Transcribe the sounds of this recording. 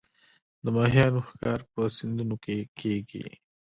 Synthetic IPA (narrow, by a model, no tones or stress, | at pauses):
d̪əmɑːɦijɑnoxkɑːɾpəsɪnd̪unokekʰeɡḭ